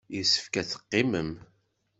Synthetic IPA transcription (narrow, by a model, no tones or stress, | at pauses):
jisə̥fkæθə̥qːiməm